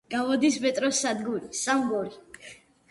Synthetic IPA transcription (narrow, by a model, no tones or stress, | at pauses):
ɡ̥avɔd̪ismɛt̪ʼɾɔsad̪ɡuɾisambɔɾi